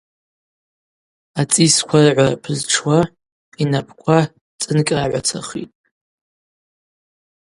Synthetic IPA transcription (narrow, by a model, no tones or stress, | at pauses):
at͡sʼiskʷʰarʕʷara̰pʰɨzʈ͡ʂʰwa | inapʰʼkʷʰa | t͡sʼɨnkʲʼraʕʷa̰t͡sʰa̰χḭtʼ